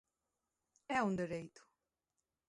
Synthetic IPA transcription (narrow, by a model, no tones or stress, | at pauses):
ɛũnd̪eɾejt̪u̥